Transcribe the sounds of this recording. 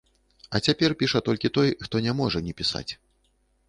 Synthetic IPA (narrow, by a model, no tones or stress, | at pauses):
ɐt͡sʲapʲɛrpʲiʂɐt̪ɔlʲkʲit̪ɔjxt̪ɔnʲamɔʐɐnʲɛpʲisa̰t͡sʲ